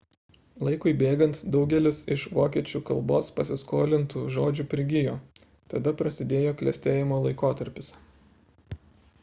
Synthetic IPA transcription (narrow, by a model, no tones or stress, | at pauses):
lˠɐɪkʊɪbʲeːɡɐnt̪d̪ɒʊɡʲɛlʲɪsɪʃʋoːkʲiɛt͡ʃʲuːkɐlˠboːspɐsʲɪskoːlʲɪnt̪uːʒoːd͡ʒʲuːpʲɾʲɪɡʲɪjoː | t̪ɐd̪ɐpɾɐsʲɪd̪ʲeːjoːklʲɛ̰sʲt̪ʲeːjɪmoːlˠɐɪkoːt̪ɐɾʲpʲɪs